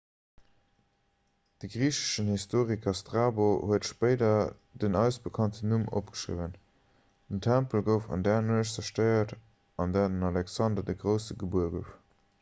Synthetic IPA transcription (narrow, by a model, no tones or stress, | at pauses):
d̥əɡʁiːɕə̥ʃənhistoːʁikʰɐstʁaːbohuətʃpəɪdɐ | dənæʊsb̥əkʰɑntənumʔo̰p̚ɡ̥ə̥ʃʁḭvən | d̥əntʰæmpəlɡəʊfɑ̰ndæːnuɕzɐʃtəɪɐt | ɑndæːdənɑlɛksɑndɐdəɡʁəʊsəɡəbuɐɡoʊf